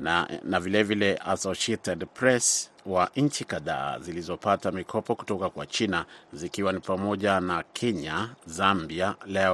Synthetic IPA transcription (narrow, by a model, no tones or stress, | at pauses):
navilɛvilɛʔasɔʃiɛtɛdpɾɛs | waɲ̩t͡ʃikaða̰ːzilizɔpatamikʰɔpɔku̥tɔkakwa̰t͡ʃinazikiwanipamɔʄanakʰɛɲazambialɛɔ